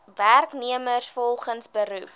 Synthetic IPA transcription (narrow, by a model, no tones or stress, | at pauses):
værkniəmərsfɔlˠχənsbəɾup